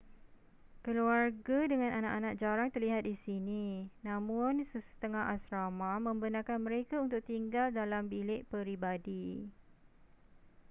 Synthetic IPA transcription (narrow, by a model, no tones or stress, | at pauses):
kəluarɡadəŋãnanaʔanãk̚d͡ʒaɾaŋt̪ərliɦat̪̚disinĩnãmʊ̃nsəsə̥t̪əŋaɦasɾamãmə̃mbənãkanmə̃ɾekaunt̪ʊk̚t̪iŋɡaldalambilɪʔpəɾibadi